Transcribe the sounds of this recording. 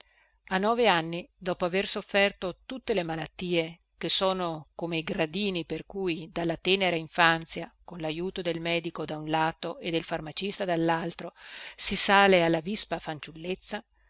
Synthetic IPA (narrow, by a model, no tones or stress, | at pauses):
anːɔːveanːid̪ɔːpoaversofːɛrt̪ot̪ut̪ːelemalat̪ːiːe | k̟esoːnokomeɡɾad̪iːniperkujd̪alːat̪ɛːneɾaiɱfant̪sjakonlajuːt̪od̪elmɛːd̪ikod̪aunlaːt̪oed̪ːelfarmat͡ʃist̪ad̪alːalt̪ɾosisaːlealːavispafant͡ʃulːet̪sːa